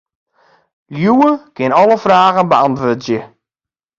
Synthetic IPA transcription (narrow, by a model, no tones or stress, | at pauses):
ljuːəkʰɪnɔləfraːɣənbəantʋoːtjə